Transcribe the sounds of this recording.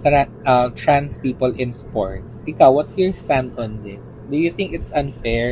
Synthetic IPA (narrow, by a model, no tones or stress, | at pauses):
tɾa | ʔat̪ɹãnspiːpəlʔɪ̃nspo̰ɹt̪sʔɪkawwɔt̪sjɔɹst̪ãnd̪ɔ̃nd̪ɪs | d̪ujʊθɪ̃ŋkɪt̪sɐ̃nfɛɹ